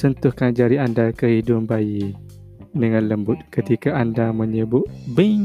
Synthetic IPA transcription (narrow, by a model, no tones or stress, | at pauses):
sənt̪ʊhkand͡ʒaɾiandakəhidʊmbaji | dəŋãnləmbʊt̪̚kət̪ikaʔandamə̃ɲəbʊʔbəɲ